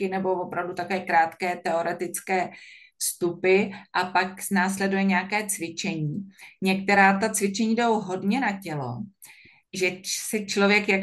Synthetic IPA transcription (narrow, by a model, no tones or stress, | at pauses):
ɪnɛbo̞vopɾavdut̪akovɛːkɾaːt̪kɛːt̪ɛo̞ɾɛt̪ɪt͡skɛː | fst̪upɪʔapaknaːslɛdujɛɲɛakɛːt͡svɪt͡ʃɛɲiːɲɛk̚t̪ɛɾaːt̪at͡svɪt͡ʃɛɲiːdowɦo̞dɲɛnacɛlo̰ | ʒɛsɛt͡ʃlovjɛkja